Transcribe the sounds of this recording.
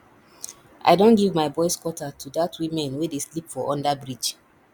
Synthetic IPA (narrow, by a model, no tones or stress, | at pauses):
ʔa̰ɪdõnɡivmaɪbɔɪskwɔtatʰudatʰwĩmɛ̃nwɛdeslipfɔʔɔ̃ndabɹid͡ʒ